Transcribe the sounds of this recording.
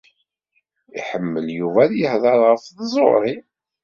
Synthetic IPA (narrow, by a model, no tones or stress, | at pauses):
ḭħəmːəljuvæðjəhðˤəɾˤʁəfðzˤo̰ɾˤi